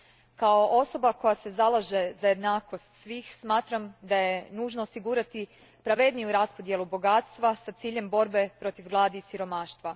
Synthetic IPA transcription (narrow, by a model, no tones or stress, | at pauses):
kao̞ʔo̞so̞bako̞jase̞zalˠaʒe̞zajed̪naːko̞st̪sʋiːxsmaːt̪ɾamd̪aje̞nuːʒnoosiɡuːɾat̪i | pɾaʋe̞d̪nijuɾaspo̞d̪je̞lubo̞ɡaːt̪st̪ʋasat̪siːʎe̞mbo̞ɾbe̞pɾo̞t̪iʋɡlˠaːd̪isiɾo̞maːʃt̪ʋa